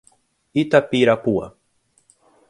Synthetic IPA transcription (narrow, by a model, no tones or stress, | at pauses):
it̪apiɾapua̰